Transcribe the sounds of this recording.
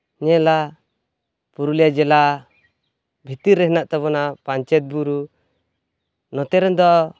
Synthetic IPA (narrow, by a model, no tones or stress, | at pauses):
ɲɛla | puɾulijad͡ʒɛla | bʱit̪iɾːɛɦnaʔt̪ɔβɔnapaɲt͡ʃɛt̪̚buɾu | nɔt̪ɛɾɛnd̪ɔ